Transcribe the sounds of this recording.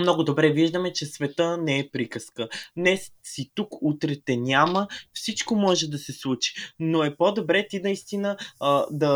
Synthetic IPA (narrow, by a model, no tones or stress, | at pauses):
mnɔɡod̪obɾɛviʒd̪əmɛt͡ʃɛsvɛt̪ənɛɛpɾikəskənɛssit̪ukut̪ɾɛt̪ɛnʲaməfsit͡ʃkomɔʒɛd̪ɐsɛslˠut͡ʃi̥noɛpod̪obɾɛt̪inɐist̪inəd̪ɐ